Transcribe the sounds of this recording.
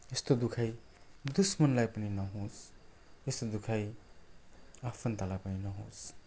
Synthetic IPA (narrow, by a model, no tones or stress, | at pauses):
est̪od̪ukʰaj | d̪usmʌnlajpʌninʌɦõsʰ | est̪od̪ukʰaj | apʰʌnt̪alajpʌninʌɦõs